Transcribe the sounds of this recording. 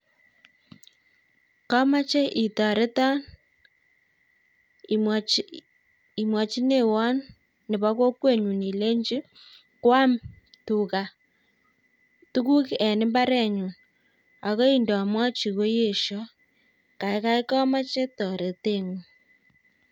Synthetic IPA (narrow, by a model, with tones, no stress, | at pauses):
kɔ˦ma˦t͡ʃe˦ʔi˨tɔ˨ɾe˦tɔ˦n | i˨mwa˨t͡ʃi˦ne˦wɔ˦nː | ɪ˨βa˦ko˦kwe˦˨ɲu˨ni˨le˦ɲd͡ʒi˦ | kwa˦m | tu˨ka˨ | tu˦ku˦kɛ˨nɪ˦mba˦ɾɛ˨ɲu˨n | a˨ɣɔ˦i˦ndɔ˨a˨mwa˦t͡ʃi˨ɣo˦je˨ʃɔ˦ | ka˨ɪ˦ka˦i˦kɔ˦ma˦t͡ʃe˦tɔ˨ɾe˨te˦˨ŋu˨